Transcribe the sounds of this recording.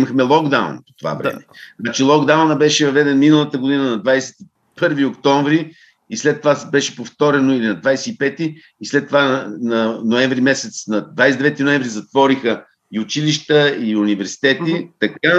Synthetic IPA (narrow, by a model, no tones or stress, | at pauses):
məxmɛlˠɔɡd̪a̰w̰npo̥t̪ova̰vɾɛ̰mɛ̰nat͡ʃɛlˠɔɡd̪awnəbɛʃɛvɐvɛd̪ɛnminəlˠət̪əɡod̪inənɐd̪vajsɛ̥t̪i | pɤɾviokt̪ɔ̃ɱvɾi | islɛt̪ːovabɛʃɛ̥poft̪ɔɾɛnoilinɐd̪vajsɛipɛt̪iː | slɛt̪ːovanɐnoɛ̃ɱvɾimɛsɛt̪snɐd̪vajsɛd̪ɛvɛt̪inoɛ̃ɱvɾizɐt̪vɔɾixə | iʊt͡ʃiliʃt̪əiʊnivɛɾsi̥t̪ɛt̪it̪ɐka